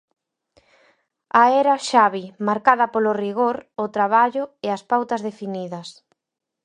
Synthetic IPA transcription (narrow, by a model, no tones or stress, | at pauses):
ɐɛɾɐʃaβimaɾkaðɐpolʊriɣoɾʊt̪ɾaβ̞aʎʊeɐspawt̪ɐzðefiniðɐs